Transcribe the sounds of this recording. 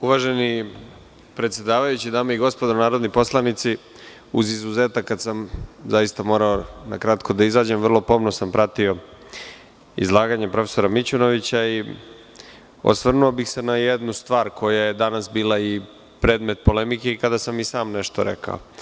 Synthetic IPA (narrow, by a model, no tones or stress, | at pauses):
uʋaːʒe̞ni | pɾet̪sʲje̞d̪aːʋajut͡ɕid̪aːmaiɡo̞spod̪onaːɾod̪nipo̞slˠanit̪si | uzizuze̞ːt̪akːad̪samzaist̪amo̞ːɾaonakɾat̪ko̞d̪aizaːd͡ʑe̞mʋrlˠo̞po̞mno̞sampɾat̪io̞ | ḭzlˠaːɡaɲepɾo̞fe̥so̞ɾamit͡ɕuno̞ʋit͡ɕai | o̰sʋr̩nuobixse̞najed̪nust̪ʋaːɾkʰo̞jaje̞d̪anasbiːlˠai | pɾe̞ːd̪me̞t̪̚po̞le̞mike̞ikad̪asamisaːmne̞ʃt̪oɾe̞̰kʰa̰o̰